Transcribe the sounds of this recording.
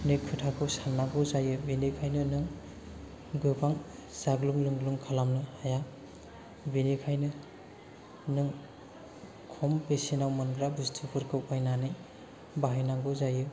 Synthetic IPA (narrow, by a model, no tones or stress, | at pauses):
nɯjkʰutʰakʰɯwsanːaɡɯwzajɯbinikʰajnɯnɯŋ | ɡɯbaŋ | z̥aɡluŋlɯŋluŋkʰalamnɯhaja | binikʰajnɯ | nɯŋ | kʰɔmpesinawmɯnɡɾabustʰipʰɯɾkʰɯwajnanɯj | baɦijnaŋɡɯwzajɯ